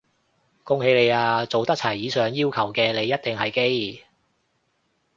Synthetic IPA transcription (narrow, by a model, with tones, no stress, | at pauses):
kʊ˥ŋhe˧jle˨˧jaː˧t͡so˨wt̪ɐ˥k̚t͡sʰɐ˨˩jːiː˨˧sœː˨ŋjiː˥wkʰɐ˨˩wkɛː˧le˨˧jɐ˥t̚t̪ɪ˨ŋɦɐ˨jke˥j